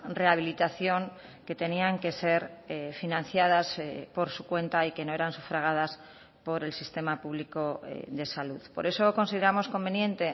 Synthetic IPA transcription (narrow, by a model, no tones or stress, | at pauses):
re̞aβ̞ilit̪aθjo̞ŋ | ke̞t̪e̞niaŋke̞se̞ɾefinãnθjað̞aspo̞ɾsu̥kwe̞nt̪aikenoeɾansufɾaɣ̞aðas | po̞ɾe̞lsist̪e̞mapuβliko̞̰ðe̞saluðpo̞ɾe̞so̞konsiðe̞ɾamo̞skõ̞mbe̞njẽ̞nt̪e̞